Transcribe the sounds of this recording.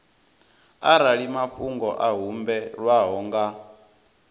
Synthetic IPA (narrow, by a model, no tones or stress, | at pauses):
aɾaɺimaɸuŋɡɔʔaɦumbɛɺwaɦɔŋɡa